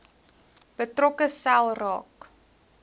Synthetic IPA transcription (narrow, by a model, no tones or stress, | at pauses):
b̥ətrɔkəsælˠrɑːk